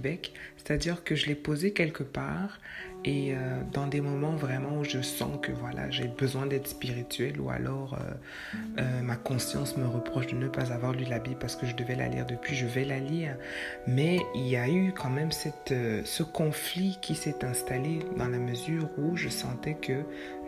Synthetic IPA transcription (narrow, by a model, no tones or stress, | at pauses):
bɛkse̥t̪ad̪iʁkəʒəlɛpozekʲɛlkəpaːʁ | eød̪ɑ̃d̪emɔmɑ̃vʁɛmɑ̃uʒəsɑ̰̃kəvwalʔa̰ʒebəzwɛ̃d̪ɛt̪χəspiʁit̪ɥɛlṵa̰lɔʁø̰ | ømakɔ̃sjɑ̰̃sməʁəpχɔʃd̪ənəpazavwaʁlylabipaʁsə̥kəʒəd̪əvɛla̰lḭːʁd̪əpɥiʒəvɛlaliːʁ | mɛiljaykʰɑ̃mɛmsɛt̪øsəkɔ̃flikʲʰisɛt̪ɛ̃st̪aled̪ɑ̃laməzyːʁuʒəsɑ̃t̪ɛkə